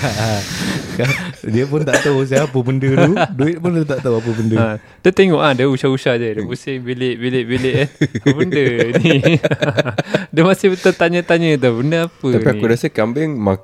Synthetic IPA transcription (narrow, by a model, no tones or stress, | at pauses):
aakadiəpʊnt̪aʔt̪aus̬aap̬əbəndət̪uduɪt̪̚pʊndət̪aʔt̪awap̬əbəndəa | t̪ət̪eŋɔʔadəusahusahdədəbusɪbilɪʔbilɪʔbilɪʔnaəbəndəni | dəmasɪhət̪ət̪aɲə̃t̪aɲə̃t̪̬abəndəapət̪appiakudasəkambɪŋma